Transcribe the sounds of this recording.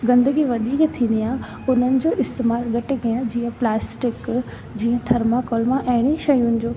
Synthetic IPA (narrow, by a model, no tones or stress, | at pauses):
ɡɐ̃nd̪əɡiʋɐd̪iːkt̪ʰĩːnd̪ija | ʊn̤ənɪ̆d͡ʑoːʔɪst̪emaːɾɡɐʈɪɡijãd͡ʑiːə̃plaːsʈɪk | d͡ʑiːə̃t̪ʰɐɾmakɔːlmãʔɐɦɪɽ̃eʃɐjʊnɪ̆d͡ʑoː